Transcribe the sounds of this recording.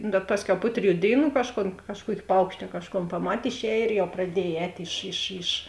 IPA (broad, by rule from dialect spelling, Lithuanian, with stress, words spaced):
bʲɛt ˈpɑːsʲˌkʲɛʊ ˈpʊ tʲrʲɪˌjuː ˈdʲeːɪˌnuː ˈkɑːʃˌkoːn ˈkɑːʃˌkuɔkʲɪ ˈpɐʊkʃʲtʲɪ ɐ ˈkɑːʃˌkoːn pɐˈmɐtʲ ɪʃʲˈɛːj ɪr jɛʊ prɐˈdʲiɛj ˈɛːtʲ ɪʃ ɪʃ ɪʃ